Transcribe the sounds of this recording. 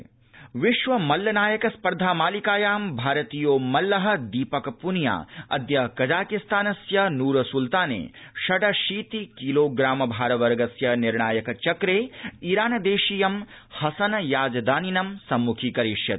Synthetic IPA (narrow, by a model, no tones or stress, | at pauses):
ʋiʃʋɐmɐlːɐnaːjɐkɐspɐɾd̪ʱaːmaːlikaːjaːmbʱaːɾɐt̪ijoːmɐlːɐɦɐ̆d̪iːpɐkɐpunja̰ːɐ̰d̪jɐkɐd͡ʒaːkist̪aːnɐsjɐnuːɾɐsult̪aːnḛː | ʃɐɖɐʃiːt̪ikiloːɡɾaːmɐbʱaːɾɐʋɐɾɡɐsjɐniɾɳaːjɐkɐt͡ʃɐkɾeːiɾaːnɐd̪eːʃijɐm | hɐsɐnɐjaːd͡ʒɐd̪aːninɐmsɐmːukʰikɐɾiʂjɐt̪